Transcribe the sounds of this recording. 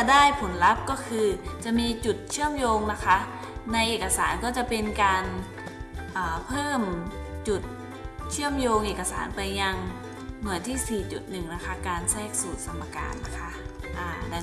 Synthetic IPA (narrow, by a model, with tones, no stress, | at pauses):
daː˥˩jpʰo˩˦nɾa˦˥p̚kɔː˥˩kʰɯː˧t͡ɕa˨˩ʔmiː˧t͡ɕu˨˩t̪̚t͡ɕʰɯ˥˩əmjoː˧ŋna˦˥kʰa˦˥ʔ | na˧jʔeː˨˩ka˧sa̰ː˩˦nkɔː˥˩t͡ɕa˨˩pe˧nkaː˧n | ʔaː˨˩pʰɤː˥˩mt͡ɕu˨˩t̪̚ | t͡ɕʰɯ˥˩əmjoː˧ŋʔeː˨˩ka˧sa̰ː˩˦npa˧jːa˧ŋ | mɯ˨˩˦ənt̪ʰiː˥˩siː˨˩t͡ɕṵ˨˩t̪̚nɯ˨˩ŋna˦˥kʰa˦˥kaː˧nsɛː˥˩k̚suː˨˩t̪̚sa˧mːa˧ka̰ː˧nːa˦˥kʰa˦˥ʔʔaː˧˩˧